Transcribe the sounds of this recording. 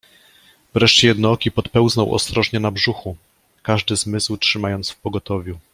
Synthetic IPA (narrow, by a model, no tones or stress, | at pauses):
vɾɛʂt͡ɕɛjɛd̪nɔɔkʲipɔt̪pɛwznɔwʔɔ̰st̪ɾɔʐɲɛnabʐuxu | kaʐd̪ɘzmɘswtʂɘmajɔnt̪sfpɔɡɔt̪ɔvʲju